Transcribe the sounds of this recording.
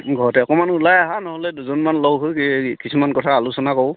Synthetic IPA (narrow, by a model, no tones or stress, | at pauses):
ɡʱɔɹɔtɛɔkɔmanulajaɦanɔɦɔlɛduzɔnmanlɔɡɦokisʰumankɔtʰaːlusɔnakɔw